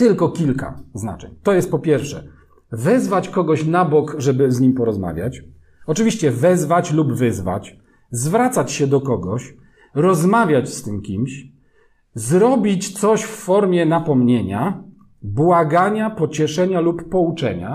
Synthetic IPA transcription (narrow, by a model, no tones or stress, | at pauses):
t̪ɘlkɔkʲilka̰zna̰t͡ʂɛ̰ɲt̪ɔjɛst̪̚pɔpʲjɛɾfʂɛ̰ | vɛzvat͡ɕkɔɡɔɕnabɔkʐɛbɘzɲimpɔɾɔzma̰vʲja̰t͡ɕ | ɔt͡ʂɨvʲiɕt͡ɕɛvɛzvat͡ɕlubvɘzva̰t͡ɕ | zvɾat̪sat͡ɕɕɛd̪ɔkɔɡɔɕ | ɾɔzmavʲjat͡ɕst̪ɘmkʲimɕ | zɾɔbʲit͡ɕt̪sɔɕffɔɾmʲjɛnapɔmɲeɲa | bwaɡaɲapɔt͡ɕɛʂɛɲalupːɔut͡ʂɛ̰ɲa